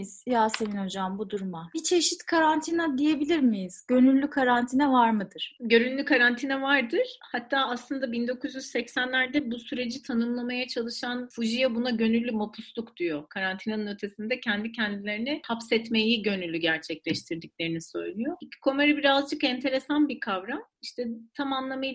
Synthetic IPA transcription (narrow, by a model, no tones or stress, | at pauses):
z̥jaːse̞vinho̞d͡ʒambud̪uɾmabit͡ʃʰe̞ʃit̪kʰaɾant̪ʰinad̪ije̞bilʲiɾmijiz̥ɟø̞nylʲːykʰaɾant̪ʰinɛvaɾmɯd̪ɯɾ̥ɟø̞ɾynlʲykʰaɾant̪ʰinɛvaɾd̪ɯɾ̥hat̪ʰːaːaslˠɯnd̪abind̪o̞kʰuzjyz̥sɛcsænlʲæɾd̪ɛbusyɾe̞d͡ʒit̪ʰanɯmlˠamajat͡ʃʰalˠɯʃanfuʒijabunaɟø̞nylʲːymopʰuslˠukd̪yjo̞kʰaɾant̪ʰinanɯnø̞t̪ʰe̞sind̪ɛcʰɛnd̪icʰɛnd̪ilʲe̞ɾinɪhapsɛt̪me̞jiɟø̞nylʲːyɟæɾt͡ʃʰɛclʲɛʃt̪ʰiɾd̪icʲlʲe̞ɾinisø̞̰jlˠyjoicʰi̥kʰo̞meɾɛbiɾazd͡ʒɯkɛnt̪ʰe̞ɾe̞sanbikʰavɾamiʃt̪ʰɛt̪ʰamanlˠamaj